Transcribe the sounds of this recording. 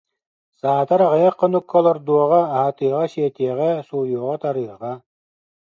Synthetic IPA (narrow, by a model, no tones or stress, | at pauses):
saːt̪aɾaʁajaqʰːɔnukʰːɔlˠɔɾd̪uɔʁɑːɦat̪ɯɐʁɑɕiːt̪iɛʁɛsuːjuːʁɔt̪aɾɯʁɑ